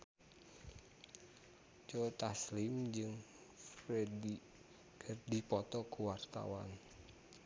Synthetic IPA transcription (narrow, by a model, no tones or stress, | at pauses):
t͡ʃot̪aslimd͡ʒɨŋ | fredi | kʰərdipɔt̪ɔkuwart̪a̰wa̰n